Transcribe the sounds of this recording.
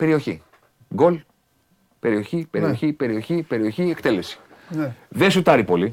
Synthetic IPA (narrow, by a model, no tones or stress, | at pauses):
pe̞ɾio̞çi | ɡo̞l | pe̞ɾio̞çipe̞ɾio̞çipe̞ɾio̞çipe̞ɾio̞çiekt̪e̞le̞si̥ | ðesut̪ɐɾipo̞li